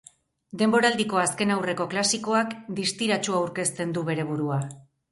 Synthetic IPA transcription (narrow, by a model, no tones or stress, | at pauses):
d̪e̞mbo̞ɾald̪iko̞aske̞nawre̞ko̞klasiko̞akd̪ist̪iɾat͡ʃuawɾke̞st̪e̞nd̪uβe̞ɾe̞β̞uɾua